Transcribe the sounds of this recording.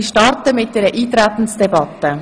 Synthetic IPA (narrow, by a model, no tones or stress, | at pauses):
ʃtɑɾtəmɪt̚d̥ɛːɾəʔiːt̪ɾæt̪ən̩sd̥ɛbɑt̪ːə